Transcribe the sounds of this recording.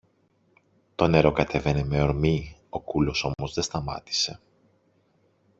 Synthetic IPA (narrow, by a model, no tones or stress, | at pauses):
t̪o̞ne̞ɾo̞kɐt̪ʰe̞ve̞ne̞me̞oɾmio̞kulo̞so̞mo̞zðe̞st̪ɐmɐ̰t̪i̥se̞